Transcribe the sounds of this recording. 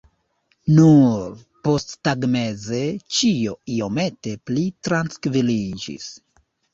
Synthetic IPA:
nuɾ | po̞sttaɡme̞ze̞t͡ʃio̞io̞me̞te̞plitɾanskvilid͡ʒḭs

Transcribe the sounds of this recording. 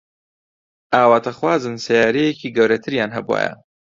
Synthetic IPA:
aːwaːt̪ʰɐχwaːzɨnsɐjaːɾejekiːɡɐwɾɐt̪ʰɨɾjaːnɦɐbuwa̰ːjɐ̰

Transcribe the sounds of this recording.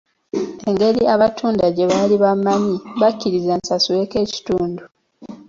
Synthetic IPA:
eŋɡe̞ɾiaβatʰuːndaɟeβaːliβamːaɲiβacːiɾizansasuweke̞ːci̥tuːndu

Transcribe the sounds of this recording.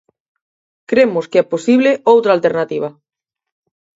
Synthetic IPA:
kɾemʊskeɛposiβ̞leowt̪ɾalt̪eɾnat̪iβ̞ɐ

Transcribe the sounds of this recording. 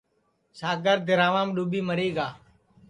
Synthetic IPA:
saːɡəɾd̪ɪɾaːʋãːmɗuːɓiːməɾiːɡaː

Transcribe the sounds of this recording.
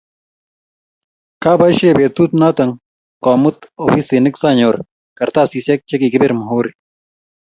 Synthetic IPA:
kʰaːbɐɕebeːt̪uːt̪naːt̪ɐŋ | kaːmut̪ofisiniksaːɲoːɾ | kɐɾt̪aːsiːsek̚t͡ɕekiɡibeɾmɐɦuːɾi

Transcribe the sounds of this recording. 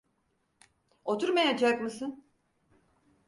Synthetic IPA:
o̞t̪ʰuɾmajad͡ʒakmɯsɯn

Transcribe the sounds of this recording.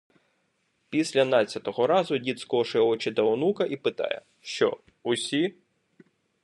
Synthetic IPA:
pʲisʲlʲɐnɑtt͡sʲːɐt̪ɔɦɔɾɑzʊdʲit̪skɔʃʊjɛɔt͡ʃɪd̪ɐɔnukɐʔipɪt̪ɑ̰jɛ̰ | ʃt͡ʃɔ̰ | ʊsʲi

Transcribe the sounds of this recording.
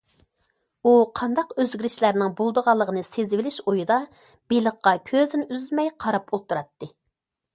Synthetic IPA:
uqʰɑnd̪ɑqøzɡʲiɾɪʃlæɾnɪŋbolˠd̪əʁɑlˠːəʁənɨsezwɪlɪʃojud̪ɑ | b̥eləqːɑkʲʰøzɪnyzmɛjqʰɑɾɑpolˠt̪ʰːuɾɑt̪ːɨ

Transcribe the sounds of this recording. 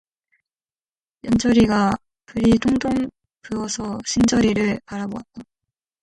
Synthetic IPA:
jʌnd͡ʑʌɾiɡa | pɯɾidʰoŋdoŋ | pɯʌsʰʌɕʰind͡ʑʌɾiɾɯɭpaɾabowat̚t͈a

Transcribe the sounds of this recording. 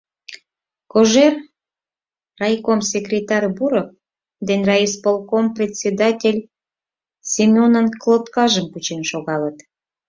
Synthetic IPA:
koʒer | rɑjkomsʲekrʲet̪ɑrʲbuɾək̚ | d̪enrɑispolˠkomprʲet̪ʲsʲed̪ɑtʲelʲ | sʲemʲonənklˠot̪kɑʒəmput͡ɕenʃoɣɑlət̪

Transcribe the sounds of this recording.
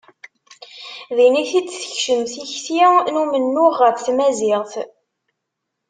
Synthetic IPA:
ðiniθit͡sːθə̥çʃəmθiçθinumənːʊʁːəθθmæzɪʁθ

